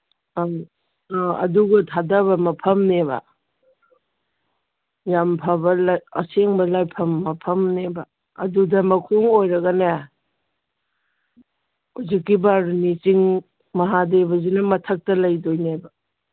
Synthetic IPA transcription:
ɐ̰duɡɐtʰadɐbɐmɐpʰɐmnebɐ̰ | jampʰɐbɐlɐɐ̰seŋbɐlajpʰɐmːɐpʰɐmnebɐ | ɐdudɐmɐkʰoŋojɾɐɡɐne | huzikːibaɾnit͡ʃiŋ | mɐɦadebɐzinɐmɐtʰɐk̚tɐlɐjdojnebɐ

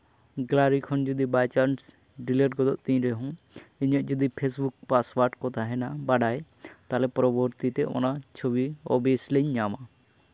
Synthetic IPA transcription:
ɡlaɾikʰɔnd͡ʒɔd̪ibajt͡ʃaɾns | ɖileʈ̚ɡɔd̪ɔʔt̪ĩɲɾɛɦɔ̃ | iɲɔʔd͡ʒɔd̪ipʰesbukpaswaɾʈkɔt̪aɦɛnabaɖaj | t̪alɛpɔɾɔbɔɾt̪it̪ɛɔ̰nat͡ʃʰobiɔ̰besleɲːama

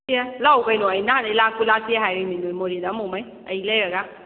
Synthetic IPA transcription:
iɛlaukainoainaanalakulasiɛɦajɾeminomoɾidamomai | ajilɛɛɡa

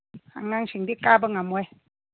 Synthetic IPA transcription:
ha̰ŋaŋsiŋdikabəŋamɔj

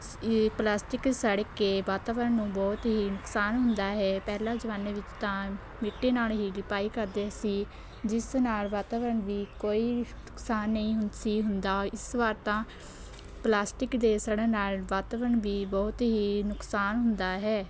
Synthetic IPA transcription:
plaːsʈɪksəɽkːeːʋaːt̪aːʋəɾənːũːbɔːt̪ɦiːnʊksaːnɦʊnd̪aːɦɛːpɛːlaːd͡ʒəʋaːnːeːʋɪt͡ʃt̪ãː | mɪʈːeːnaːlɦiːlɪpaːiːkəɾd̪eːəsĩː | d͡ʒɪsnaːlʋaːt̪aːʋəɾəɳʋiːkoːiːnʊksaːnːəĩːɦʊnsiːɦʊnd̪aːɪsʋaːɾt̪ãː | plaːsʈɪkd̪eːsəɽẽːnaːlʋaːt̪aːʋəɾəɳʋiːbɔːt̪ɦiːnʊksaːnɦʊnd̪aːɦɛː

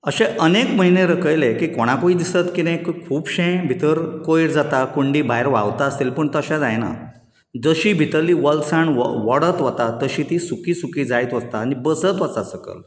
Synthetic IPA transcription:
əɕeʔənekməɦineɾəkəjlekikoɽ̃akoid̪isət̪kid̪ẽkkʰuːbɕẽbʱit̪əɾkojɾd͡zat̪akuɳɖiːbʱajɾʋa̰ʋt̪aəst̪elpəɳt̪əɕad͡zajna̰ | d͡zəɕiːbʱit̪əɾliːʋəlsaɳʋɔɽət̪ʋat̪at̪əɕiːt̪isukiːsukiːd͡zajt̪ʋəst̪aːñibəsət̪ʋət͡sasəkə̰l

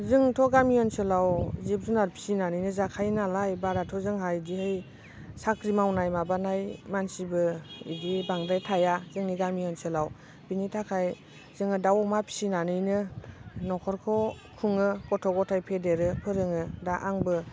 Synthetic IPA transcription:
zɯŋtʰɔɡamiɔnsɯlawzip̚zunaɾpʰi̥sinanɯjnɯzakʰajnalajbaɾatʰɔzɯŋɦajdihɯj | sakɾimawnajmabanajmansibɯḭdibaŋdajtʰajazɯŋniɡamiɔnsɯlaw | b̥initʰakʰaj | z̥ɯŋɯdawmapʰi̥sinanɯjnɯnɔkʰɔɾkʰɔ | kʰuŋɯɡɔtʰɔɡɔtʰajpʰedeɾɯpʰɯɾɯŋɯdaʔaŋbɯ

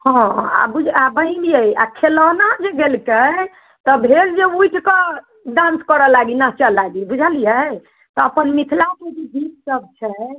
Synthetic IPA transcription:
hɔ̃a̰bud͡ʒabəɦĩlijəja̰kʰelɔnad͡ʒeɡelke | t̪ɔbʱeɾd͡ʒeujʈʰkə | ɖãnskəɾɔlaɡinaɦt͡ʃəlaɡibud͡ʒʱəlijə | t̪ɔəpənmit̪ʰlaked͡ʒed͡ʒit̪səb̚t͡ʃʰɛ

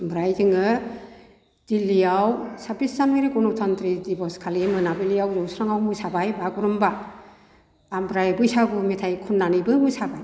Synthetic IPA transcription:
bɾajdɯŋɯ | d̥ilːiawsabiszamiɾiɡɔnɔtʰɔntɾidibɔskʰalimɯnabɯliawzɔwsʰɾaŋawmɯjsabajbaɡuɾɔmba | mbɾajbɯjsabɯmitʰajkʰunːanibɯmɯjsabaj

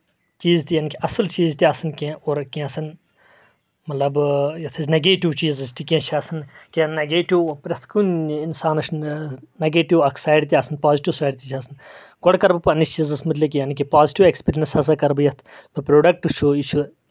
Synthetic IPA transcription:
t͡ʃiːzt̪ijaːnikiʔɐsɐlt͡ʃiːzt̪iɐsɐnkʲẽoːɾkẽɐsɐn | mɐt̪lɐbjɐt̪ʰɐzʲneɡeːʈiwt͡ʃiːzɐsʈ̪ikʲẽt͡ʃʰiɐsɐnkenɐɡeːʈiwpɾʲɐt̪ʰkuninsaːnɐʃnnɐɡeːʈiwɐkʰsaːjɖt̪ʲiɐsɐnpaːziʈiwsaːjɖt̪ʲit͡ʃʰɐsɐn | ɡoɽkɐɾbɨpɐnist͡ʃiːzɐsmɐt̪lɐk̬ʲijanikipaːziʈiwekspiɾjɐnsɐs̬ɐkɐɾbjɐt̪ʰbɐpɾoːɖɐk̚ʈut͡ʃʰuit͡ʃʰu

